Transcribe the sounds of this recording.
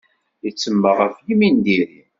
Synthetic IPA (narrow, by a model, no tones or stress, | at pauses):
jət͡sːəmːəʁæfjmind̪iɾi